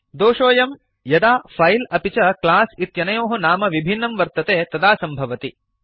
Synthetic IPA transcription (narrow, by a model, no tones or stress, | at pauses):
d̪oːʂoːjɐm | jɐd̪aːpʰɐjlɐpit͡ʃɐklaːsit̪jɐnɐjoːɦɐnaːmɐʋibʱinːɐmʋɐɾt̪ɐt̪eːt̪ɐd̪aːsɐmbʱɐʋɐt̪i